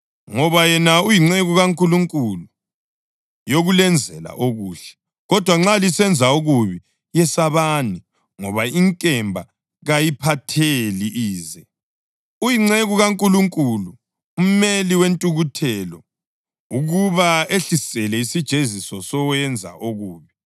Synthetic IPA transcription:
ŋɔβajɛnaujiŋ͡ǀeɣuɣaŋkʼuluŋkʼulu | joɣulɛnd͡zʱɛla̰ʔoɣuːɬɛ̥ | ɣɔd̥ʱwaŋ͡ǁalisɛnd͡zʱauɣuβi | jɛsaβani | ŋɔβaiŋkʼɛmbʱa | ɣajipʰatʰeliʔiːzɛ | ujiŋ͡ǀeɣuɣaŋkʼuluŋkʼulu | um̩meliwentʼuɣutʰɛlɔ | uɣuβaeɬisɛlɛisid̥ʒ̥ʱezisɔsɔwɛnd͡zʱa̰ʔoɣuːβi

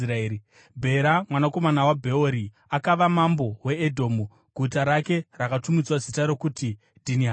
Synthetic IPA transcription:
ɾaei | bʱe̞ɾamwanako̞manawabʱe̞oɾi | akaʋamambo̞we̞ːdʱo̞ːmu | ɡʱutaɾake̞rakatumid͡zwazitaɾo̞kuti | dʱiniɦa

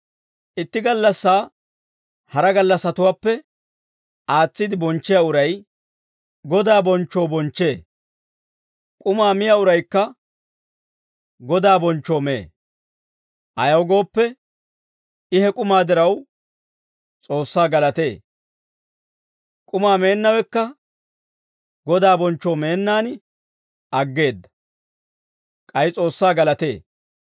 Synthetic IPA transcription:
ʔɪt̪ːɪɡɐlːɐsːaː | hɐɾɐɡɐlːɐsɐt̪ʊwaːpːɛ | ʔaːt͡sːɪd̪ɪbɔnt͡ʃːɪjaʊɾɐj | ɡɔd̪aːbɔnt͡ʃːoːbɔnt͡ʃːe̞ː | kʼʊmaːmɪjaʊɾɐjkːɐ | ɡɔd̪aːbɔnt͡ʃːoːmḛː | ʔɐjɐwɡo̞ːpːɛ | ɪhɛkʼʊmaːd̪ɪɾɐw | t͡sʼo̞ːsːaːɡɐlɐt̪e̞ː | kʼʊmaːme̞ːnːɐwɛkːɐ | ɡɔd̪aːbɔnt͡ʃːoːme̞ːnːaːn | ʔɐɡːe̞ːd̪ːɐ̥ | kʼɐjɪt͡sʼo̞ːsːaːɡɐlɐt̪e̞ː

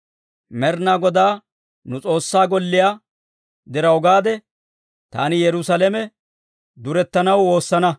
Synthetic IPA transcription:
mɛɾnaːɡɔd̪aː | nʊt͡sʼo̞ːsːaːɡɔlːɪjaː | d̪ɛɾɐɔɡaːd̪ɛ | t̪a̰ːnɪjɛɾʊsɐlɛmɛ | d̪ʊɾɛt̪ːɐnɐwo̞ːsːɐnɐ

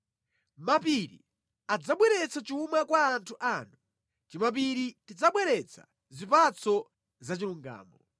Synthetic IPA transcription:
mapiɾḭ | ad͡zaɓwɛɾɛt͡sat͡ʃumakwaːntʰuʔaːnu | timap̬iɾitid͡zaɓwɛɾɛt͡sʰḁ̰ | zipat͡sɔ | zat͡ʃiluŋɡa̰ːmɔ

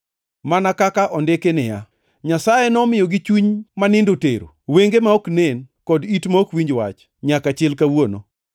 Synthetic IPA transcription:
manakakaʔɔndekenɪja̰ | ɲasajenɔmɪjoɡɪt͡ʃwuɲmanɪndoteɾo̰weŋɡemaoknenkɔditmaokwiɲd͡ʒwa̰t͡ʃ | ɲakat͡ʃɪlkawono̰

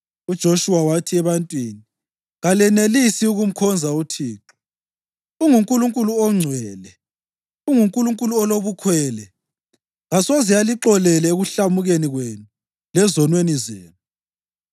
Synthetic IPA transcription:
ud̥ʒ̥ʱoʃuwawatʰiɛβantʼwini | ɣalɛnelisiuɣum̩kʰɔnd͡zʱautʰiːǁɔ̥ | uŋuŋkʼuluŋkʼuluɔŋ͡ǀʱwɛːlɛ | uŋuŋkʼuluŋkʼuluɔloβukʰwɛːlɛ | ɣasozijaliǃɔlɛlɛeɣuɬamuɣeniɣwenu | lɛzɔnwenizeːnu

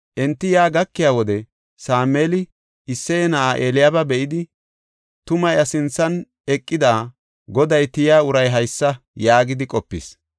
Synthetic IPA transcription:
ʔɛnt̪ːɪjaːɡɐkːɪjaːwɔd̪ɛ | saːmeːlɪ | ɪsːɛjnɐʔaʔeːlɪjaːbɐbɛʔɪd̪ɪ | t̪ʊmɐjɐsɪnt͡sːɐn | ɛkʼːɪd̪aː | ɡɔd̪ɐjt̪ɪjaːʊɾɐjɦɐjsːɐ | jaːɡɪd̪ɪkʼɔpːɪ̰s

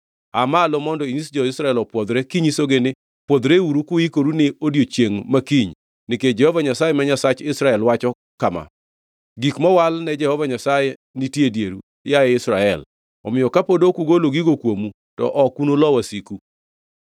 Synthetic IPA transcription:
amalɔmɔndɔinisd͡ʒɔɪsɾaɛlɔpwɔd̪ɾɛkiɲisoɡenɪ | pwɔd̪ɾeuɾukʊikoɾunɪodjot͡ʃjeŋmakiɲ | nɪked͡ʒɛhɔvaɲasajɛmaɲasat͡ʃɪsɾaɛlwat͡ʃɔ | kama̰ | ɡikmɔwalnɛd͡ʒɛhɔvaɲasaje | nitjedjeɾṵjajɛɪsɾaɛl | ɔ̰mɪjɔkapodokuɡoloɡiɡokwomu | tɔ̰ʔɔkunolɔwasiku

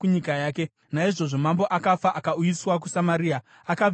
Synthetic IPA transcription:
uɲikajaːke̞ | naiʐo̞ʐo̞mambo̞ʔakafaʔakaujiswak̬usamaɾiːa | aka

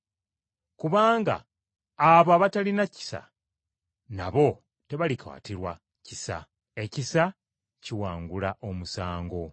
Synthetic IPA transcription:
kuβaːŋɡa̰ː | βoaβatalinaci̥sa̰ | na̰βo̞ | te̞βalikʰa̰ːtiɾwa | cisa̰ | e̞cisa | ciwaːŋɡulaʔo̞musaːŋɡo̞

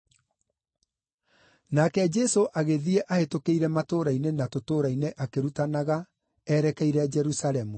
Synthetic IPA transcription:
nakɛd͡ʒɛsoʔaɣeðiɛʔahetokeiɾɛmatoːɾainenatotoːɾaineʔakeɾutanaɣa | ɛɾɛkɛiɾɛd͡ʒɛɾusaɾɛmu

